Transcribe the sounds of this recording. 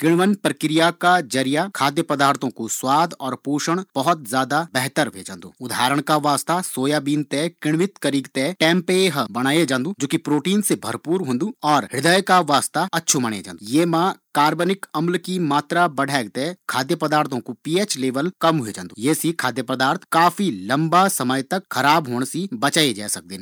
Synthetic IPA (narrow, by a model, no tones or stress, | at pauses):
kɪɽ̃ʋənpɾəkɾɪjakad͡ʒəɾijakʰaːd̪jəpɐd̪aːɾt̪ʰõkoswaːd̪ʱɔːɾpuːʃəɽ̃b̥ɐɦɔt̪zjaːd̪abɛɦt̪əɾbʱḛːd͡ʒãːnd̪ṵːʊd̪ʱaːɾəɽ̃kaʋaːst̪asoːjabiːnt̪ɛkɪɽ̃ʋɪt̪kəɾiːɡt̪ɛʈɛ̃ːmpeɦbɐɽ̃aːjed͡ʒãːnd̪ũːd͡ʒoːkipɾoːʈiːnsebʱɐ̰ɾpuːɾɦõːnd̪uːɔːɾɦɪd̪əjkaʋaːst̪aɐtːʃʰumɐɽ̃ḛd͡ʒã̰ːnd̪jeːmãkaːɾbənɪkɐmlkimaːt̪ɾabɐɖʱɛːɡt̪ekʰaːd̪jəpɐd̪aːɾt̪ʰõkopiːeːt͡ʃleːʋəlkɐmɦʊed͡ʒãːnd̪ujeːsikʰaːd̪jəpɐd̪aːɾt̪ʰkaːfʰilɐ̃mbasɐməjt̪ɐkxʰɐɾaːbɦoːɳ̃sibɐt͡ʃaːed͡ʒa̰ːsɐk̚d̪ẽːn